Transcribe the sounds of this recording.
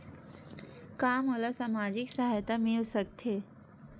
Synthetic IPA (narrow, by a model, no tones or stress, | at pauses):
kaːmɦoːlasaːmaːd͡ʒɪksaɦaːjt̪amẽlsək̚t̪ɦeː